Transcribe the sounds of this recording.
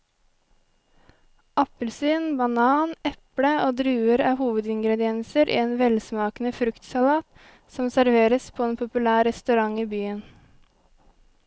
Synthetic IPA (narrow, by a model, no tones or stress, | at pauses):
ʔɑpəlsyːnbɑnɑːnɛpɽəoːd̪ɾʉːəɾɑːhuːʋəd̪ɪŋɡɾɛd̪ɪɛnsəɾʔḭːeːnʋɛlsmɑːknəfɾʉkt̪sɑlɑːt̪ | sɔmsæɾʋeːɾəspʰoːeːnpʰʊpʉlæːɾɛst̪ʉɾɑŋiːbyːən